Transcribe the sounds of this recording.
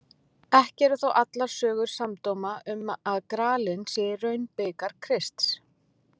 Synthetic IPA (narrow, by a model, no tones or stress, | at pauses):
ɛhcɛɾʏθawʔat̪laɾ̥sœːɣʏɾ̥samt̪owmaʏmaðkɾaːlɪnsɛɾœɥnpɪːkaɾ̥kʰɾɪst̪s